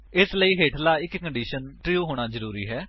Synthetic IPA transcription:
ɪsləiːɦeːʈʰlaːɪkkəɳɖiːʃənʈɾiuːɦoːɽ̃aːzəɾuːɾiːɦɛː

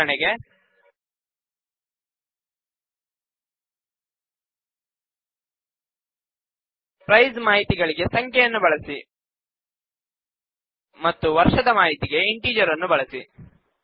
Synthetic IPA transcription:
ɐɳeɡe̞ | pɾɐjzmaːɦit̪iɡɐɭiɡe̞sɐŋkʰjejɐnːubɐɭɐsi | mɐt̪ːuʋɐɾʂɐd̪ɐmaːɦit̪iɡeiɳʈiːd͡ʒɐɾɐnːubɐɭɐsi

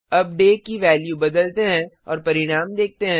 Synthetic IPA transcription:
ɐp̚ɖeːʈ̚kiʋɛːljubɐd̪əlt̪eɦɛ̃ | ɔ̰ːɾpɐɾɪɽ̃aːmd̪eːk̚t̪eɦɛ̃

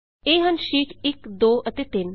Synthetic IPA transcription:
eːɦənʃiːʈʰɪkd̪oːʔət̪eːt̪ɪn

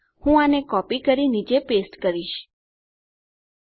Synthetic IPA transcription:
hũanekɔpikəɾinid͡ʒepesʈkəɾiʃ

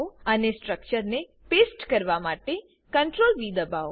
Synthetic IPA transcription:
oənesʈɾək̚t͡ʃəɾne | pesʈkəɾʋamaʈe | kəɳʈɾolʋid̪əbʱao

